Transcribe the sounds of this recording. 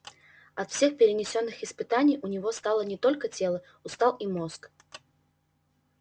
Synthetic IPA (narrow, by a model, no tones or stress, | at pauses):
ɐt̪fsʲe̞xpʲɪɾʲɪnʲɪsʲo̞nːɨxɪspɨt̪anʲɪjʊnʲɪvo̞st̪alˠənʲɪt̪o̞lʲkətʲelˠə | ʊst̪ɑlˠimo̞sk